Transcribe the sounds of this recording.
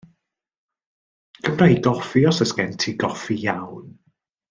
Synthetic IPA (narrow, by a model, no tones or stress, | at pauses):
ɡ̥əmraiɡɔfiɔsəskɛntʰiɡɔfijawn